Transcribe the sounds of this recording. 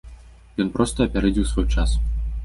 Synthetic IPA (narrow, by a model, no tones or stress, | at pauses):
jɔnpɾɔst̪ɐɐpʲaɾɛd͡zʲiwsvɔjt͡ʂas